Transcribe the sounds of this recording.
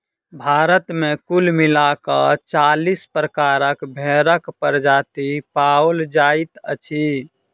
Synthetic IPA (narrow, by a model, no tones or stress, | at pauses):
bʱaɾət̪mekulmilakət͡ʃalispɾəkaɾəkbʱeɾəkpəɾd͡ʒat̪ipaold͡ʒait̪ət͡ʃʰi